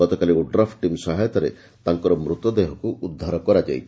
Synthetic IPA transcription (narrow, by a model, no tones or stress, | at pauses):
ɔt̪ɔkaliuɖɾapʰʈimsɔɦajt̪ɔɾe | t̪aŋkɔɾɔmɾut̪ːɔd̪eɦɔkuʔud̪ʱːaɾɔkɔɾad͡ʒa̰j